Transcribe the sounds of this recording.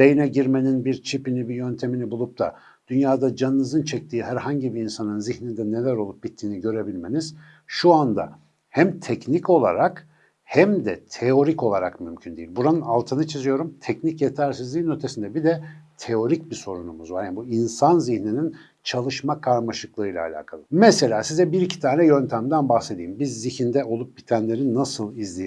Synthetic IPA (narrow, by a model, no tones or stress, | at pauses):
bejinɛɟiɾme̞ninbiɾt͡ʃʰipinibijønt̪ʰe̞minibulˠup̚t̪ʰa̰ | d̪̥ynjaːd̪ad͡ʒanːɯzɯnt͡ʃʰɛc̚t̪ʰiːɦæɾɦaɲɟibiinsanɯnziçnind̪ɛne̞lʲæɾo̞lˠup̚b̥it̪ʰːiːniɟø̞ɾe̞bilʲme̞niz̥ | ʃuand̪a̰ | hæmt̪ʰɛcnico̞lˠa̰ɾak | hæmd̪ɛt̪ʰeo̞ɾico̞lˠaɾa̰kmymcʰynd̪ejilbuɾanɯnalˠt̪ʰɯnɯt͡ʃʰizijo̞ɾumt̪ʰɛcnicjet̪ʰæɾsizlʲinøt̪ʰesind̪ɛbid̪ɛt̪ʰeo̞ɾic̚biso̞ɾunumuzvaɾjanibuinsanziçninin | t͡ʃʰalˠɯʃmakʰaɾmaʃɯklˠɯɯjlʲa̰ːlʲa̰ːkʰalˠɯmɛse̞lʲaːsizɛbiɾicʰi̥t̪ʰaːnɛjø̞nt̪ʰæmd̪ænbaxse̞d̪ijimbizːiçind̪ɛo̞lˠup̚bit̪ʰænlʲe̞ɾinːasɯlˠizlʲej